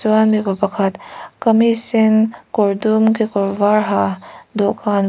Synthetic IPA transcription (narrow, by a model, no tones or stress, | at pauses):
ʋaːnmebɐbɐkʰət̪kɐmisɪnkoɾd̪umkekoɾʋaːɾɦad̪okaːn